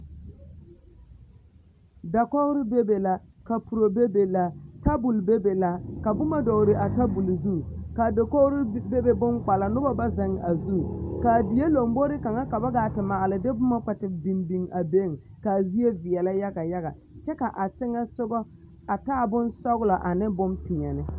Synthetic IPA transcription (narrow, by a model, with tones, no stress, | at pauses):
da˨kɔ˦ɣɾɪ˦be˦be˨la˨ka˨pu˨ɾo˨be˦be˨la˨ta˦bu˨lbe˦be˨la˦ka˨bʊ˦ma˦dɔ˨ɾɪ˨ʔa˨ta˦bu˨lzu˦˨ka˨do˨kɔ˦ɣɾɪ˦be˦be˨bʊ˦ŋk͡pa˨la˨nʊ˦ba˦ba˦za˨ŋ˨a˨zu˦˨ka˨di˨je˦lo˨mbo˦ɾɪ˦ka˨ŋa˦ka˨ba˦ɡaː˨tɪ˨maː˨lɪ˨dɪ˦bʊ˦ma˦k͡pɛ˨tɪ˨bi˨mbi˨ŋa˨be˦˨ŋ | ka˨zi˦e˦vɪ˨ɛ˨la˦ja˦ɡa˨ja˦ɣa̰˨ | t͡ʃɛ˦ka˨ʔa˨sɪ˦ŋɛ˦sʊ˦ɡɔ˦ | a˨taː˦˨bʊ˦nsɔ˦ɣlɔ˨ʔa˨nɪ˦bʊ˦mpɪ˨ɲɛ˨nɪ˦